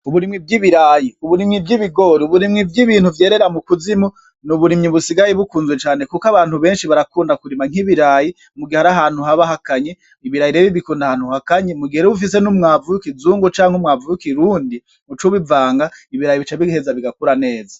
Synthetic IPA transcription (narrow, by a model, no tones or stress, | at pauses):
uβuɾimŋib̚ɡiβiɾaːjiuβuɾimŋibɡiβiɡoɾiuβuɾimŋibɡiβiːn̥huvje̞ːɾe̞ɾamukuzimo | nuβuɾimɲiβusiɡajeβukuːnzwet͡ʃaːne̞kukaβaːn̥huβe̞ːnʃiβaɾakuːndakuɾimaŋ̥iβiɾaːji | muɡiaɾaɦaːn̥huɦaβaɦakaɲe | iβiɾajiɾeβiβikuːndahaːn̥huhakaɲemuɡieɾeβuf̬ise̞numŋaːvujukid͡zuːŋɡot͡ʃaːŋhumŋaːvujukiɾuːndi | mut͡ʃuβivaːŋɡaiβiɾajiβit͡ʃaβihezaβiɡakuɾane̞ːza